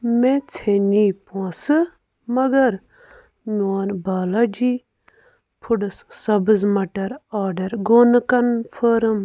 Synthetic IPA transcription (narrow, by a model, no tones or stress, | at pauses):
met͡sʰenipõːsɨ | mɐɡɐɾ | moːnbaːlad͡ʒi | pʰuɽɨssɐbɨzmɐʈɐɾaːɖɐɾɡoːnɨkɐnpʰəːɾɨm